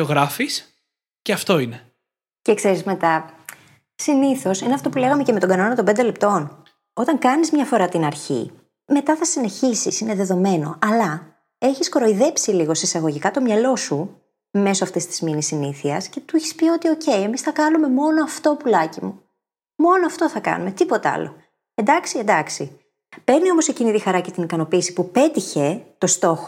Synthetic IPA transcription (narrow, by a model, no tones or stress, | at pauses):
oɣɾɐfis | ceɐft̪o̞ine | cekse̞ɾizme̞t̪ɐ | siniθo̞sineɐft̪o̞pule̞ɣɐme̞cemet̪o̞ɡɐno̞nɐt̪ombed̪elep̚t̪o̞n | o̞t̪ɐŋkɐnizmɲɐfo̞ɾɐt̪inɐɾçḭ | me̞t̪ɐθɐsine̞çisisine̞ðe̞ðo̞me̞no̞̰ɐlɐ | e̞çiskoɾo̞iðe̞psiliɣo̞sisɐɣo̞ʝikɐt̪o̞mɲɐlo̞su | me̞soɐft̪est̪i̥zminisːiniθiɐsce̞t̪uiçi̥spio̞t̪io̞ce̞je̞misθɐkɐnume̞mo̞no̞ɐft̪o̞pulɐcimu | mo̞noɐft̪o̞θɐkɐ̰nume̞t̪ipo̞t̪ɐɐ̰lo̞̰ | end̪ɐksiend̪ɐksi | pe̞ɾnio̞mo̞secinit̪ixɐɾɐcet̪inikɐno̞piːsi̥pupe̞t̪içe̞t̪o̞st̪o̞xo